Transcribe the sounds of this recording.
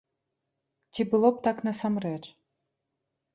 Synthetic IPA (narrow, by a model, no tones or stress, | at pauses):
t̪ʲibɨlˠop̚t̪ɑknəsamret͡ʃ